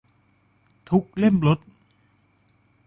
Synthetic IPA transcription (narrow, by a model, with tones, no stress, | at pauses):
t̪ʰu˦˥k̚le˥˩mlo˦˥t̪̚